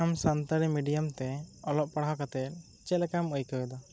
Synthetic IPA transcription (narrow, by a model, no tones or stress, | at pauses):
amsant̪aɽimiɖijamt̪ɛɔlɔʔ̚paɽaɦakat̪ɛt̪̚ | t͡ʃɛlɛkaməjkəwɛd̪ɔ